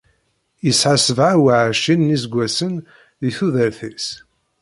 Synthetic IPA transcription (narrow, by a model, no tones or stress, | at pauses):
jəsħasəvʕawaʕʃinːizɡʷːæsən | ðiθuðəɾθis